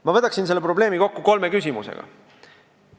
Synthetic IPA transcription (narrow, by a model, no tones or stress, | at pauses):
mɑvɤt̪ːˑɑksinse̞lːepro̞ble̞ːmiko̞kːuko̞lme̞kysʲimusḛɡ̥ɑ̰